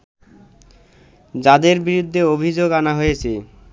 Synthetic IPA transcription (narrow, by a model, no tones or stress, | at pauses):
d͡ʑad̪eɾbiɾud̪ʱːeobʱid͡ʑoɡanaɦojet͡ɕʰe